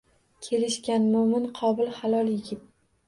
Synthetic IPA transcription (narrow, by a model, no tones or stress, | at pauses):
kʲʰe̞lɪʃkʲanmʊmɪnqʰɒbɪlˠhalˠɒlˠjɪɡʲɪt̪̚